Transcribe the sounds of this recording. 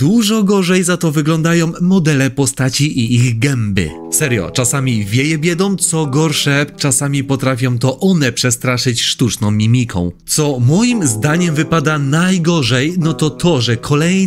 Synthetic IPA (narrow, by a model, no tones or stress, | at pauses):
d̪wuʐɔɡɔʐɛjzat̪ɔvɘɡlɔnd̪ajɔ̃w̃ːɔd̪ɛlɛpɔst̪at͡ɕiʔiiɣɡɛmbɘ̰ | sɛɾjɔ̰t͡ʂasamʲivʲjejɛbʲjɛd̪ɔ̃mt̪sɔɡɔɾʂɛt͡ʂasamʲipɔt̪ɾafʲjɔ̃w̃t̪ɔʔɔnɛpʂɛst̪ɾaʂɘt͡ɕʂt̪ut͡ʂnɔ̃w̃mʲimʲikʰɔ̰̃w̃t̪sɔmɔjimzd̪aɲɛmvɘpad̪anajɡɔʐɛjnɔt̪ɔt̪ʰɔʐɛkʰɔlɛj